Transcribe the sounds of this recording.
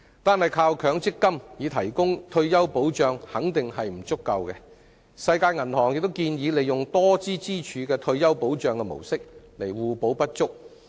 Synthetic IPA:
t̪aː˨nhɐ˨jkʰaː˧wkʰœː˨˧˥ŋt͡sɪ˥kːɐ˥mjiː˨˧t̪ʰɐ˨˩jkʊ˥ŋt̪ʰɵ˧ɥjɐ˥wpo˨˥wt͡ʃœː˨˧ŋhɐ˨˥ŋt̪ɪ˨ŋɦɐ˨jm̩˨˩t͡sʊ˥kːɐ˧wkɛː˧ | sɐ˧jkaː˧jŋɐ˨˩nhɔː˨˩ŋjɪ˨k̚t̪o˥wkiː˧njiː˨˧˥le˨jʊ˨ŋt̪ɔː˥t͡siː˥t͡siː˥t͡ʃʰyː˨˧kɛː˧t̪ʰɵ˧ɥjɐ˥wpo˨˥wt͡ʃœː˨ŋkɛ˧mo̰˨˩wsɪ˥k̚le˨˩jwuː˨˩po˨˥wpɐ˥t̚t͡ʃʊ˥k̚

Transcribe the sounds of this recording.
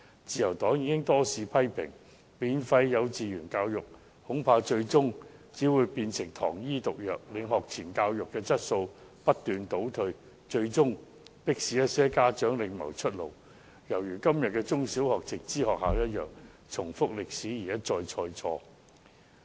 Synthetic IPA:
t͡siː˧jɐ˨˩wt̪ɔː˨˥ŋjiː˨˧kɪ˥ŋt̪ɔː˥siː˨pʰɐ˥jpʰɪ̰˨˩ŋ | miː˨˧nfɐ˧jːɐ˨˧wt͡siː˨jyː˨˩nkaː˧wjʊ˨k̚ | hʊ˨˥ŋpʰaː˧t͡ʃɵ˧ɥt͡sʊ˥ŋt͡siː˨˥wuː˨˧jpiː˧nsɪ˨˩ŋt̪ʰɔ̰ː˨˩ŋjiː˥t̪ʊ˨k̚jœː˨k̚lɪ˨˥ŋɦɔː˨k̚t͡sʰiː˨˩nkaː˧wjʊ˨kːɛː˧t͡sɐ˥t̚so˧wpɐ˥t̚t̪yː˨nt̪o˨˥wt̪ʰɵ˧ɥ | t͡ʃɵ˧ɥt͡sʊ˥ŋ | pɪ˥k̚siː˨˥jɐ˥t̚sɛː˥kaː˥t͡ʃœː˨˥ŋlɪ˨˧ŋmɐ̰˨˩wt͡ʃʰɵ˥t̚lo̰˨˩w | jɐ˨˩wjyː˨˩kɐ˥mjɐ˨t̚kɛː˧t͡sʊ˥ŋsi˨˥whɔː˨k̚t͡sɪ˨k̚t͡siː˥ɦɔː˨k̚haː˨˧wjɐ˥t̚jœː˨˩ŋt͡sʰʊ˨˩ŋfʊ˥k̚lɪ˨k̚siː˨˥jiː˨˩jɐ˥t̚t͡sɔː˧jt͡sʰɔː˧jt͡sʰɔː˧

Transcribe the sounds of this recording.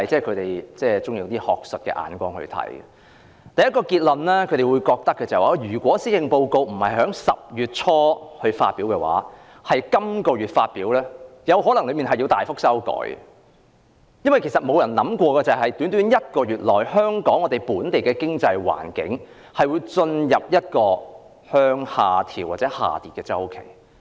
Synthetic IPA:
ɐjt͡sɛː˥˩kʰt̪e˨˩jt͡sɛː˥t͡sʊ˥ŋjiː˧wt̪iː˥hɔː˨k̚st̚kɛ̰ː˧ʔa̰ː˨˧nkʷɔː˥ŋhɵ̰˧t̪ʰɐ̰˨˥jə̰˨ | t̪ɐ˨jɐ˥t̚kɔː˧kiː˧t̚lɐ˨nlɛː˥kʰɵ˨˧˥ɾe˨jwuː˨˧jkɔː˧k̚t̪ɐ˥kːɛː˧t͡sa˨waː˨˧jyː˨˩kʷɔː˨˥siː˥jɪ˧ŋpo˧wko˧wm̩˨˩hɐ˨jɦœː˨˥ŋsɐ̰˨p̚jyː˨˩t̚t͡ʃʰɔː˥hɵ˧ɥfa̰ː˧t̚piː˨˥wkɛː˧wa̰ː˨˥ | hɐ˨jkɐ˥mkɔː˧ɥyː˨t̚faː˧t̚piː˨˥wlɛː˥jɐ˨˧wɦɔː˨˥lɐ˨ŋlɵ˨˧ɥmiː˨nɦɐ˨ji˧wt̪aː˨jfʊ˥k̚sɐ˥wkɔ̰ː˨˥j | jɐ˥nwɐ˨jkʰe˨˩sɐ˨t̚mo˨˧wjɐ˨˩nlɐ˨˥mkʷɔː˧kɛː˧t͡sɐ˨˩ɦɐ˨jt̪yː˨˥nt̪yː˨˥njɐ˥t̚kɔː˧ɥyː˨t̚lɔː˨jhœː˥ŋkɔː˨˥ŋːɔː˨˧t̪e˨˩jpuː˨˥nt̪e˨jkɛː˧kɪ˥ŋt͡sɐ˧jwa̰ː˨˩nkɪ̰˨˥ŋ | hɐ˨jwu˨˧jt͡ʃɵ˧njɐ˨p̚jɐ˥t̚kɔː˧ | hœː˥ŋhaː˨˩t̪ʰiː˨˩waː˨t̚t͡sɛː˨˥ha̰ː˨t̪iː˨˩t̚kɛː˧t͡sɐ˥wkʰe˨˩j

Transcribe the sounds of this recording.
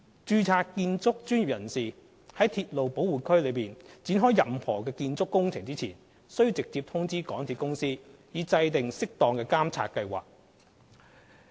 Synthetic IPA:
t͡ʃyː˧t͡sʰaː˧tkiː˧nt͡sʊ˥k̚t͡ʃyː˥nji˨p̚jɐ˨˩nsiː˨ | hɐ˨˥jt̪ʰiː˧t̚lo˨wpo˨˥wuː˨kʰɵ˥ɥlɵ˨˧ɥpiː˨nt͡siː˨˥nɦɔː˥jɐ˨mhɔː˨˩kɛː˧kiː˧nt͡sʊ˥kːʊ˥ŋt͡sʰɪ˨˩ŋt͡siː˥t͡sʰiː˨˩n | sɵ˥ɥji˧wt͡sɪ˨k̚t͡siː˧p̚t̪ʰʊ˥ŋt͡siː˥kɔː˨˥ŋt̪ʰiː˨˧t̚kʊ˥ŋsiː˥jiː˨˧t͡sɐ˧jt̪ɪ˨ŋsɪ˥k̚t̪ɔː˨ŋkɛː˧kaː˥mt͡sʰa̰ː˧t̚kɐ˧jwa̰ː˨k̚

